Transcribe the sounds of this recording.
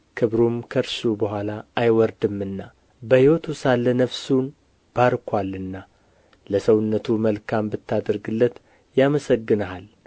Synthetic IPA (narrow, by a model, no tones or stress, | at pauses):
kʰɨβɾumkʰəɾsubəɦʷalaʔːjwɔɾd̪ɨmɨnːa | bəhiwɔt̪ʰusalːənəfsun | b̥aɾkʰwalːɨnːa | ləsəwɨnːət̪ʰuməlkʰambɨt̪ʰːad̪əɾɡɨlːət̪ | jaməsəɡːɨnəɦal